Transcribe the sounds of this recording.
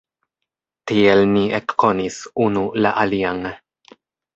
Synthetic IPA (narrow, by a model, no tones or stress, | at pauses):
tielniekːonisunula̰ʔaliaŋ